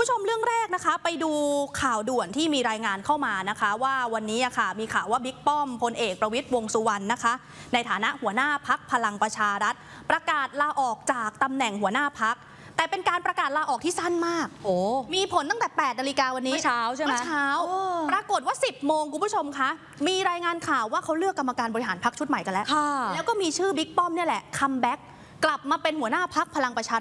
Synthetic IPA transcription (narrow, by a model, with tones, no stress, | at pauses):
u˦bt͡ɕʰo˧mɾɯ˥˩əŋɾɛː˥˩k̚na˦˥kʰa˦˥pa˧jduː˧kʰaː˨˩wdu˨˩ənt̪ʰiː˥˩miː˧ɾaː˧jŋaː˧nkʰa˥˩wmaː˧na˦˥kʰa˦˥waː˥˩wa˧nːiː˦˥a˨˩kʰa˥˩miː˧kʰaː˨˩wːaː˥˩bi˦˥k̚pɔ˥˩mpʰo˧nʔeː˨˩k̚pɾa˧wi˦˥t̪̚wo˧ŋsu˧wa˧nːa˦˥kʰa˦˥ʔ | na˧jt̪ʰaː˩˦na˦˥ʔhu˩˦ənaː˥˩pʰa˦˥k̚pʰa˧la˧ŋpɾa˧t͡ɕʰaː˧ɾa˦˥t̪̚ | pɾa˧kaː˨˩t̪̚laː˧ʔɔː˨˩k̚t͡ɕaː˨˩k̚t̪a˧mnɛ˨˩ŋɦu˩˦ənaː˥˩pʰa˦˥k̚ | t̪ɛː˨˩pe˧nkaː˧npɾa˧kaː˨˩t̪̚laː˧ʔɔː˨˩t̪ʰiː˥˩sa˥˩nmaː˥˩k̚ʔoː˨˩miː˧pʰo˨˩˦nt̪a˥ŋt̪ɛː˨˩pɛː˨˩t̪̚na˧li˧˥kaː˧wa˧nːiː˦aː˦˥wt͡ɕʰa˥˩ma˧˦t͡ɕʰaː˦˥wpɾa˧ko˨˩t̪̚waː˥˩si˨˩p̚moː˧ŋkʰu˧npʰu˥˩o˧mkʰa˦˥ʔ | miː˧ɾaː˧jŋaː˧nkʰaː˨˩wːaː˥˩kʰa˦˥wlɯ˥˩əkːa˧mːa˧kaː˧nbɔː˧ɾi˧ɦaː˩˦npʰa˦˥k̚t͡ɕʰu˦˥t̪̚ma˨˩jka˧nlɛ˦˥kʰa˥˩lɛː˦˥wkɔː˥˩miː˧t͡ɕʰɯː˥˩bi˦˥k̚pɔ˥˩mni˥˩ɐlɛ˨˩kʰa˧mbɛ˦˥k̚ː | la˨˩p̚maː˧pe˧nhu˩˦ənaː˥˩pʰa˦˥k̚pʰa˧la˧ŋpɾa˧t͡ɕʰaː˧